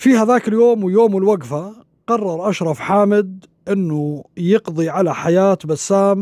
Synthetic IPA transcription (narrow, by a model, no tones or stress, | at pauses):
fihaðaːkɪljoːmwɪjoːmwɪlwaɡfa | qɑrˤːɑɾˤʔaʃɾˤɑfħaːmɪd̪ | ʔɪnːujɨqðˤiʕalaħajaːt̪basːaːm